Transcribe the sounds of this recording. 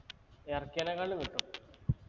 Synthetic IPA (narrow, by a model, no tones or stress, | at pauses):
erkʲːɐnɐɣɐɭumiʈːu